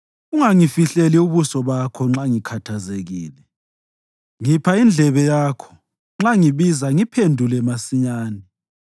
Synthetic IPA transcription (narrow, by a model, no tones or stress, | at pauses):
uŋaŋifiɬeliuβusɔβakʰɔŋ͡ǁaŋikʰatʰazeɣiːlɛ | ŋipʰaind͡ɮʱɛβɛjaːkʰɔ̥ | ŋ͡ǁaŋiβizaŋipʰendʱulɛmasiɲaːni